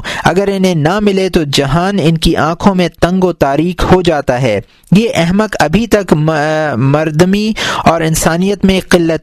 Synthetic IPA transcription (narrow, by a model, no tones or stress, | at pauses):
ɐ̰ɡəɾɪnɦẽnamɪlet̪od͡ʒɐɦaːnɪnkiʔãːkʰõmẽt̪ɐ̃ŋɡot̪aːɾiːkhod͡ʒaːt̪aɦɛː | jeʔɛɦmək̪ɐbʱit̪ɐk | mɐɾd̪miɔːɾɪnsaːnijət̪mẽqɪlːət̪